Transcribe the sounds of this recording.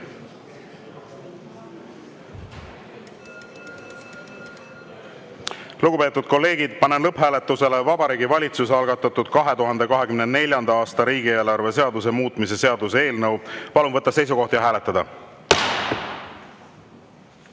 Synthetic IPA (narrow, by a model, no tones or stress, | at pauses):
luɡ̥upe̞ːt̪ːˑud̪̥ko̞lːe̞ːɡ̥id̪̥̚pɑne̞nlɤphæːlet̪ːˑuse̞le̞vɑbɑɾiːɡivɑlʲit̪suseɑlɡ̥ɑt̪ːˑɑt̪ːˑud̪̥kɑɦe̞t̪uɦɑnd̪̥e̞kɑɦe̞kymnene̞lʲjɑnd̪ɑɑːst̪ɑɾiːɡie̞ːlɑrve̞se̞ɑd̪us̬e̞muːt̪ːˑmise̞se̞ɑd̪useeːlnɤwpɑlunvɤt̪ːˑɑse̞js̬uko̞ht̪jɑɦæːle̞t̪ːˑɑd̪̥ɑ